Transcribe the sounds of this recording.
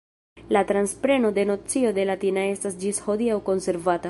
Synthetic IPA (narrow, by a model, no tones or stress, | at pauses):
latɾanspɾe̞no̞de̞no̞t͡sio̞d̪e̞latinae̞stasd͡ʒisho̞d̪iawko̞nse̞ɾvata